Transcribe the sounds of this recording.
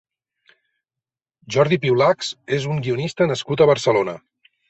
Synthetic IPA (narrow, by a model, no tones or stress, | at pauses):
ʒɔɾðipiwlaksezuŋɡiunist̪ənəskut̪əβəɾsəlonə